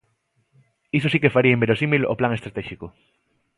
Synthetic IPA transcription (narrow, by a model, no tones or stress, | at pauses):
isosikefaɾiaembeɾosimilo̰plaŋe̞st̪ɾat̪eʃiko